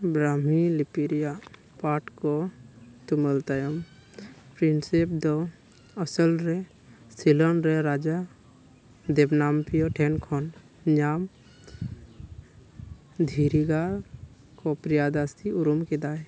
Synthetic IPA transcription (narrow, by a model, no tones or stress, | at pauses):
bɾamilipiɾija | paːʈkot̪uməlt̪əjəm | pɾinsep̚d̪o | ɔsəlɾe | silɔnɾeɾaːd͡ʒa | d̪ebnaːmpijoʈʰenkʰɔn | ɲaːm | d̪ʱiɾiɡa | kopɾijad̪ast̪iuɾumked̪aːj